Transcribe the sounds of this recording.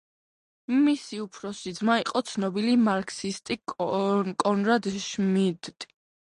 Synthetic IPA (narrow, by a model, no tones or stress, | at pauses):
misiupʰɾɔsid̪zmaiqʼɔt̪sʰnɔbilimaɾkʰsist̪ʼi | kʼɔnɾad̪ʃmid̪t̪ʼ